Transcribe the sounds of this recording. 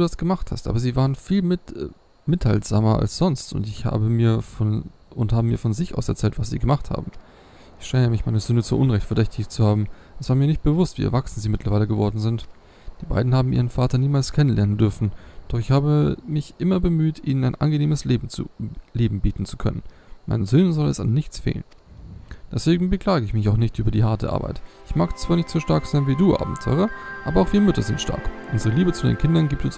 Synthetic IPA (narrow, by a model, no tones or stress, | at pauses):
duːdasɡ̥əmaχtha̰stʔa̰ːbɐziːvaːʁ̞ənfiːlmɪt | mɪtha̰lz̥a̰ːmɐʔa̰lsz̥ɔnstʊ̰ntɪçha̰ːbəmiːɐfɔn | ʊnthaːbəmiːɐfɔnzɪçʔa̰ʊsɛɐt͡sɛːltv̥asz̥ḭːɡəmaχtha̰ːbm̩ | ʔɪçʃɛːəmɪçmaɪnɐzʏndət͡suːʔʊnʁɛçtfɛɐdɛçtʰɪçt͡suhaːbm̩ | ʔɛsv̥aːɐmiɐnɪçt̚b̥əvʊstv̥ḭːʔɛɐvaksn̩ziːmɪtʰlɐvaɪləɡəvɔɐdn̩zɪnt | d̥iːba̰ɪdn̩haːbm̩ʔiːʁ̞ənfaːtɐniːmaːlskʰɛnənlɛɐnəndʏɐfn̩d̥ɔχɪçhaːbəmɪçʔɪmɐbəmyːtʔiːnənaɪnʔa̰nɡəneːməslḛː | leːbm̩biːtn̩t͡su̥kʰœ̰nə̰n | ma̰ɪnənzøːnənzɔlɛ̰sa̰nːɪçt͡sfḛːlə̰n | d̥ɛsv̥eːɡŋ̩bəkl̥aːɡəɪçmɪçaʊxnɪçtʔyːbɐdiːɦaɐtə̰ʔa̰ɐba̰ɪtʔɪçmaːkt͡sv̥aːɐnɪçtz̥oːʃtaɐkz̥aɪnviːduːʔa̰ːbm̩tʰɔ̰ʏʁɐʔaːbɐaʊxv̥iːʁəmʏtɐzɪntʃta̰ɐkʔʊnzəʁ̞əliːbət͡sudḛːnkʰɪndɐnɡiːp̚tʊns